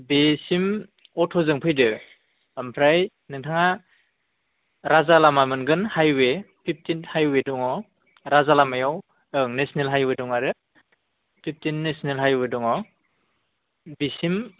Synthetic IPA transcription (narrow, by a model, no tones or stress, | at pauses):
besim | ɔtʰɔzɯŋpʰɯjdɯ | ampʰɾaj | nɯŋtʰaŋa | ɾazalamamɯnɡɯnhajwe | pʰip̚ʰtinhajwedɔŋɔ | ɾazalamajaw | ɯŋnesnelɦajwedɔŋaɾɯ | pʰip̚tinːesnelɦajwedɔŋɔ | bisim